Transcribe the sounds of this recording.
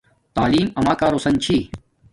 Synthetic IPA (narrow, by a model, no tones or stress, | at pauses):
t̪aːliːmɐmaːkaːɾosɐnt͡ɕʰiː